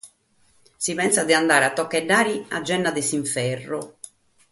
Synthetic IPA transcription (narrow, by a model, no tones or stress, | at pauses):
sipɛnsad̪iand̪aːɾat̪ːɔkːɛɖːaːɾia̰d͡ʒːɛnːad̪ɛsiɱfɛrːʊ